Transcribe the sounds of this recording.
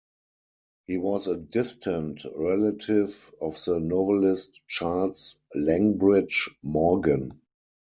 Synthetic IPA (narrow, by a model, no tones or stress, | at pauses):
hiːwɔsədɪstʰə̃ntɹɛlatʰɪvɔfðənɔvəlɪstt͡ʃalslæ̃ŋbɹɪd͡ʒmɔɡə̃n